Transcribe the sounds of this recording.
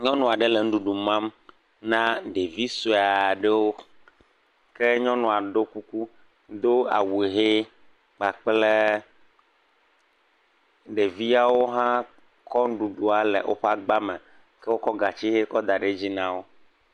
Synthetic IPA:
ɲɔ̃˦nũ˨a˨ɖe˦le˨ŋ̩˦ɖu˨ɖu˨mã˦m | nã˦ɖe˨vi˦so˨a˨ɖe˦wo˦ | ke˦ɲɔ̃˦nũ˨a˨ɖo˦ku˦ku˦ | d̪o˦a̰˨wu˨ɦe˦ | k͡pa˨k͡ple˦ | ɖe˨vi˦a˨wo˦ɦã˦ | kɔ˦n˦ɖu˨ɖu˨a˨lḛ˨ʔo̰˦ɸa˦ɡ͡ba˦me˨ | ke˦wo˦kɔ˦ɡa˨t͡ɕi˦ɦe˦kɔ˦d̪a˨ɖe˦d͡ʑi˦nã˦wo˦

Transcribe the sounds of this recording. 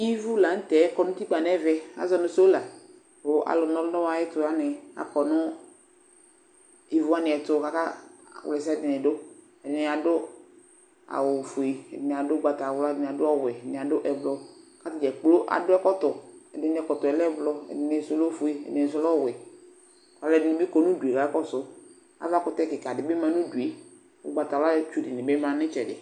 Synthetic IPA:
i˦vu˦la˨ŋ̩˦t̪ɛ˨˦kɔ˨nʊ̃˦t̪i˦k͡pa˨nɛ˦vɛ˦a̰˨˦zɔ˨nʊ̃˨so˦la˨ | bʊ˨ʔa̰˨lʊ˨nɔ˦lʊ˦nɔ˦wa˨˦jɪ˦tʊ˨a˦nɪ˨a̰˨kɔ˨nʊ˦ | i˦vu˦a˦nɪ̃˨ɛ˨tʊ˦˨ka˦ka˦˨wle˨s̬a˦˨dɪ˨nɪ˨dʊ˦ | ɛ˨dɪ˨nɪ˨a˨dʊ˦ | a̰˨wʊ˨fo˨i˨ɛ̰˨dɪ˨nɪ˨a˨dʊ˦ɡ͡ba˨ta˨wldɪ˨nɪ˨a˨dʊ˦ɔ˦wɪ˨ɛ˨nɪ̃˨a˨dʊ˦ʔɛ˨blɔ˨ka˦tɪ˨d͡ʒɛ˨k͡plo˦ʔa̰˨dʊ˦ɛ˦kɔ˦tɔ˨ɛ̰˨dɪ˨nɪ˨˦ɛ˨kɔ˨tɔ˨ɛ˨lɛ˦blɔ˦ɛ̰˨dɪ˨nɪ˨sʊ˨lɔ˦fu˨i˨ɛ̰˨dɪ˨nɪ̃˨s̬ʊ˦lɔ˦˨wɪ˨ | ka˨lɛ˦˨dɪ˨nɪ̃˨bɪ˦kɔ˨nũ˦du˨e˨ka˨˦ɛ˦kɔ˦sʊ˦ | a̰˦va˦kʊ˦tɛ˦˨kɪ˨ka˨dɪ˨bɪ˦mã˦nũ˦du˨e˨ | ʊ̰˦ɡ͡ba˨ta˨wa˦lɛ˦t͡ʃu˦dɪ˨nɪ˨bɪ˦mã˨nɪ̃˦t͡ʃɛ˨dɪ˨

